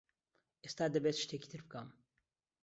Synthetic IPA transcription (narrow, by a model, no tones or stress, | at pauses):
ʔest̪aːd̪ɐbeːt̪ʃt̪eːki̥ːt̪ʰɨɾbɨkɐm